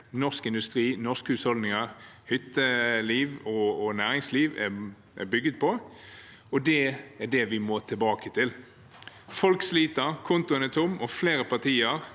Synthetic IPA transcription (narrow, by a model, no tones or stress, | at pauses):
nɔʁskɪnd̪ʉst̪ɾiːnɔskhʉshɔld̪nɪŋəɾhʏt̪ːəliːʋɔːnæːɾɪŋsliːʋɛ̰ | ʔɛ̰bʏɡːəd̪̚pʰɔ | ɔd̪ɛæɖɛʋɪmoːt̪ʰɪlbɑːkət̪ʰɪl | fɔlksliːt̪əɾkʰʊnt̪ʊənɛt̪ʰʊmːɔfleːɾəpɑʁt̪ʰiːəɾ